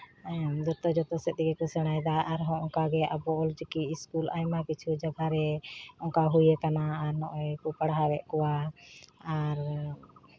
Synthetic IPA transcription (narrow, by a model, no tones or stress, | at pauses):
d͡ʒɔt̪ɔd͡ʒɔt̪ɔsɛt̪iɡɛkɔsɛɽ̃ajd̪aʔaɾɦɔ̃ɔ̃ŋkaɡɛʔabɔɔld͡ʒkiiskulajmakit͡ʃʰud͡ʒabʱaɾɛɔ̃ŋkaɦujɛkanaːɾnɔʔɛkupəɽɦabɛʔkɔwa | aɾ